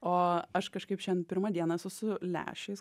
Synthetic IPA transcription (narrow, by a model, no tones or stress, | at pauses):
oːɐʃkɐʃkɐɪpʃʲɛnpʲɪɾmɐd̪ʲiɛnɐsʊsʊlʲæ̰ːʃʲɛɪs